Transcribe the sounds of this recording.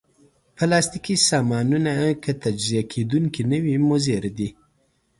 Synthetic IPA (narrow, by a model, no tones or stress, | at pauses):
pəlɑst̪ikisɑmɑnunakʰət̪ad͡ʒzijakʰed̪uŋkinəwimʊzeɾd̪i